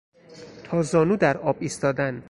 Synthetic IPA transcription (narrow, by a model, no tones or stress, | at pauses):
t̪ʰɒːzɒːnuːd̪æɾɒːbiːst̪ɒːd̪æn